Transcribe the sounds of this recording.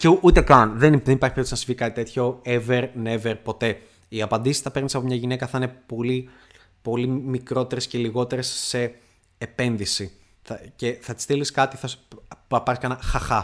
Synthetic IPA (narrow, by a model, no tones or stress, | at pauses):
ceʔut̪e̞kɐnðenðenipɐɾçipeɾt̪snɐsizvʝikɐt̪i̥t̪e̞t̪ço̞eveɾneveɾpo̞t̪e̞ | iɐpɐnd̪isist̪ɐpe̞ɾnisɐpo̞mɲɐʝine̞kɐθɐine̞po̞li | po̞limikɾo̞t̪e̞ɾesce̞liɣo̞t̪e̞ɾe̞sːe̞ː | pe̞nðisi | θɐce̞θɐt̪i̥st̪iliskɐt̪iθɐsɐpɐɾiskɐnɐxɐxɐ